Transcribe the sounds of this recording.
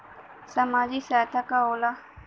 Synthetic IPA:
sɐmaːzisaːjt̪ʰakaoːla

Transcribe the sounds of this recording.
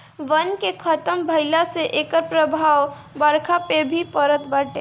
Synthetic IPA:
ʋənkekʰət̪əmbʱəɪlaseʔeːkəɾpɾəbʱaːw | bəɾkʰapebʱipəɾət̪bəːʈe

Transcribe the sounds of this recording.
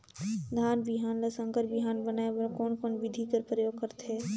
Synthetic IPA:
d̪ʱaːnbiɦaːnlɐsə̃ŋkəɾbiɦaːnbənaːeəkoːnkoːnʋɪd̪ʱikəɾpɾəjoːɡ̚kəɾt̪ɦeː

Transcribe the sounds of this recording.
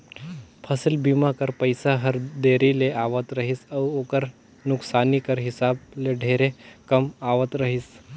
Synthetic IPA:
pʰəsɪlbimakəɾpəjsaɦɐɾd̪eːɾileʔaːʋət̪ɾɐɦisɐʋoːkəɾ | nʊksaːnikəɾɦɪsaːb̚leɖʱeːɾekɐmaːʋət̪ɾəɦis

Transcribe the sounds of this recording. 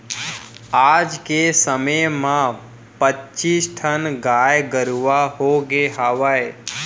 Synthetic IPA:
aːd͡ʒkesəməmã | pətːt͡ʃiːsʈʰənɡaːjɡəɾuʋaɦoɡeɦaːʋae

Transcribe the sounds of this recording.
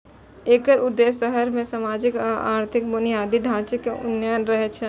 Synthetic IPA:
eːkəɾʊd̪ːesəɦəɾmẽsamaːd͡ʒɪka̰ːɾt̪ʰɪk̚bʊnijaːd̪iɖʱãːt͡ʃəkːeʊnənɾəɦɛt͡ʃʰɛ

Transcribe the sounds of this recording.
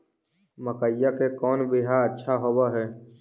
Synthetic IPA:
məkəjakekɔːnbɪɦaɾətːʃʰaɦobaɦɛː

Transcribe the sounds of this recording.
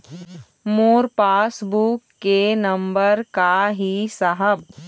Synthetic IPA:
moːɾpaːsbukːenɐmbəɾkaɦisəɦəb̚

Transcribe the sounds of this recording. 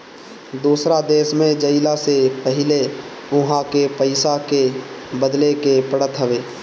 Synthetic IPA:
d̪uːsɾad̪eːʃmẽd͡ʒəɪlasepəɦɪle | ʊɦãkepəɪsakebəd̪lekepəɽət̪ɦəʋeː

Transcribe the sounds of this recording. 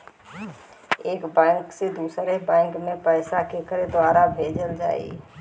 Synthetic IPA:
eːkbɛ̃ːŋksed̪uːsɾebɛ̃ːŋkmẽpɛːsakekəɾed̪waːɾabʱeːd͡ʒəld͡ʒa̰ːḭ

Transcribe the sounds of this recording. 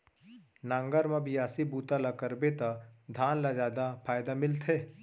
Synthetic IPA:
nãːŋɡəɾmãbʱiaːsibuːt̪alakəɾbet̪ad̪ʱaːnlad͡ʒaːd̪apʰaːjd̪amɪlt̪ɦeː

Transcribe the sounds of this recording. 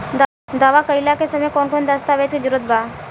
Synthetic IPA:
d̪aʋakəjlakesəmekonkond̪əst̪aʋet͡ʃked͡ʒuɾot̪̚ba

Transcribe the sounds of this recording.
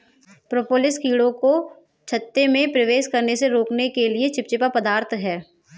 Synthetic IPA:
pɾopoːlɪskiːɽõko | t͡ʃʰɐt̪ːemẽpɾɐʋeːʃkɐɾneseɾoːknekeliet͡ʃʰɪp̚t͡ʃɪpapɐd̪aːɾt̪ʰɦɛː

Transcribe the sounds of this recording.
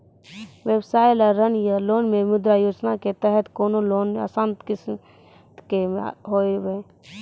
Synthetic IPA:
ʋebsaːjlɔɾɾənjaloːnmẽmʊd̪ɾajoːd͡ʒnaket̪ɛɦət̪koːnoloːnə̰sãnt̪kɪs | keɦoːiʋe

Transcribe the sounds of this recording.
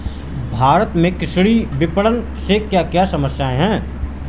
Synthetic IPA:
bʱaːɾət̪mẽkɪʃɽibɪpəɽən | sekjaːkjasɐməsjaːẽɦɛ̃ː

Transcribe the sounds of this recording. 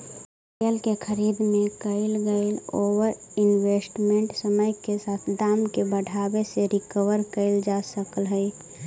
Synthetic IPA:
kelkekʰəɾid̪mekəɪlɡəɪlowəɾɪnwesʈmeɳʈsəməjkesaːt̪ʰd̪aːmkebəɽʱabeseɾɪkəwəɾkəɪld͡ʒasəkəlɦə

